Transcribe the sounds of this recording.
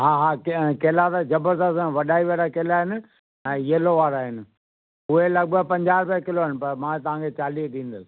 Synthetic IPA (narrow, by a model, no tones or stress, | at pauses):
ɦãːɦãːkkeːlat̪ad͡ʑɐbəɾd̪əsʋɐɗaːiʋeɾakeːlaːɦɪnɪ̆ | ɛ̃ːjeːloʋaːɾaɦɪnɪ̆ | ʊɦelɐɡ̚bəpɐ̃ɲd͡ʑaːɾpɛkɪloɦɪnɪ̆pɐɾmãːt̪ɐʋ̤ãkʰet͡ɕaːliːd̪ĩːnd̪əsɪ̥